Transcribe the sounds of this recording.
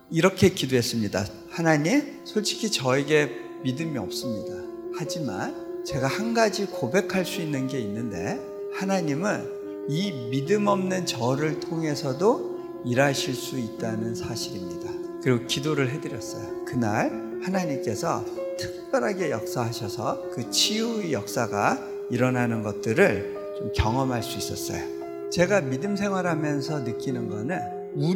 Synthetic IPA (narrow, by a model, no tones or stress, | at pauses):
iɾʌkʰe̞kidoɦes͈ɯmɲida̰ | hanaɲim | sʰoɭt͡ɕ͈ʰi̥kʰit͡ɕʌe̞ɡe̞ | midɯmiʌ̰p̚s͈ɯmɲidahad͡ʑima̰nt͡ɕe̞ɡahanɡad͡ʑikobe̞kʰaɭs͈uinːɯnɡe̞inːɯnde̞̰ | hanaɲimɯn | imidɯmʌmnɯnt͡ɕʌɾɯɭtʰoŋɦe̞sʰʌdo | iɾaɕʰiɭs͈uit̚t͈anɯnsʰaɕʰiɾimɲida | kɯɾiɡokidoɾɯɭɦe̞dɯɾjʌs͈ʌ̰jokɯnaɭ | hanaɲimk͈e̞sʰʌ̰ | tʰɯ̥k̚p͈jʌɾɦaɡe̞jʌk̚s͈aɦaɕʰʌsʰʌkɯt͡ɕʰiujʌk̚s͈aɡa | iɾʌnanɯnɡʌt̚t͈ɯɾɯɭ | t͡ɕomkjʌŋʌmɦaɭs͈uis͈ʌs͈ʌ̰jo | t͡ɕe̞ɡamidɯms̬ʰe̞ŋɦwaɾɦamjʌns̬ʰʌnɯk͈inɯnɡʌnɯn | u